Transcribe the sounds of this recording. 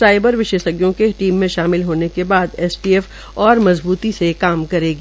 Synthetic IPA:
saːɪbəɾʋɪʃeːʃəɡjõkeʈiːmːẽʃaːmɪlɦoːnekebaːd̪ɛːsʈiɛːf | ɔːɾmɐzbuːt̪isekaːmkɐɾeːɡi

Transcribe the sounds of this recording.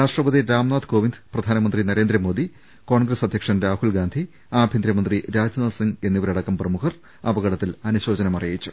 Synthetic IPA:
ɾaːʂʈrɐpɐd̪iɾaːmnaːd̪ko̞ːʋind̪prɐd̪ʱaːnɐmɐnd̪rinɐɾe̞ːnd̪ɾɐmo̞ːd̪i | ko̞ːɳɡrɐsɐd̪ʱjɐkʂɐnɾaːhulɡaːnd̪ʱi | aːbʱjɐnd̪ɾɐmɐnd̪riɾaːd͡ʑnɐlsiŋɡe̞nːiʋɐɾɐɽɐkːɐmprɐmukʰɐr | ɐbɐɣɐɽɐt̪ːilɐnuɕo̞ːd͡ʑɐnɐmɐrɐjit͡ɕːu

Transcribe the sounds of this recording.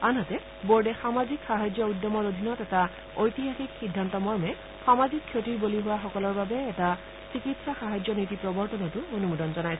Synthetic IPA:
anɦatɛ | boɹɖɛxamazikxaɦazjɔudːɔmɔɹod̪ʱinɔtɛta | ojtiɦaxikxidʱːantɔmɔɹmɛ | xamazikʰːjotiɹboliɦʊwaxɔkɔlɔɹbabɛːta | sikitsaxaɦazjɔnitipɹɔbɔɹtɔnɔtʊonumudɔnzɔnajsɛ

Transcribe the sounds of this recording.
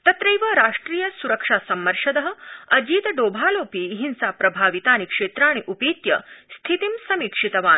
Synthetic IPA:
t̪ɐt̪ɾɐjʋɐɾaːʂʈɾiːjɐsuɾɐkʂaːsɐmːɐɾʂɐd̪ɐɦɐ̆ɐd͡ʑiːt̪ɐɖoːbʱaːloːpiɦinsapɾɐbʱaːʋit̪aːnikʂeːt̪ɾaːɽ̃iʔupiːt̪jɐ̰st̪ʰit̪imsɐmiːkʂit̪ɐʋaːn

